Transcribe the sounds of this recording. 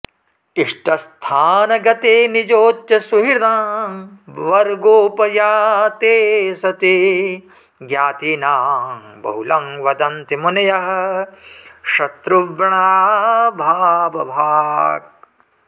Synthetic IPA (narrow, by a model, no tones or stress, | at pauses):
iʂʈɐst̪ʰaːnɐɡɐt̪eːnid͡ʒoːt͡ʃjɐsuɦiɾd̪ãː | ʋɐɾɡoːpɐjaːt̪eːsɐt̪i | ɡjaːt̪iːnaːmbɐ̰ɦulɐŋʋɐd̪ɐnt̪imunɐjɐɦɐ̆ | ʃɐt̪ɾuʋɐɳabʱaːbɐbʱaːɡ̚